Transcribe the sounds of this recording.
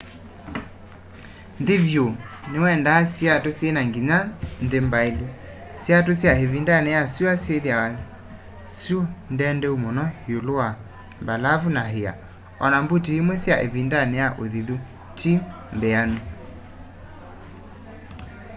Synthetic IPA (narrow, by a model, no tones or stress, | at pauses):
nðevjonewɛndasjatosjenaŋɡiɲanðembaelu | sjatosjaevindanɛjasuaseðjawa | sjondɛndɛumonɔheolowa | mbalavunaɦea̰ | ɔnambutiimwɛsjaʔḛvindanɛjaʔoðiðu | tʰim | mbeanu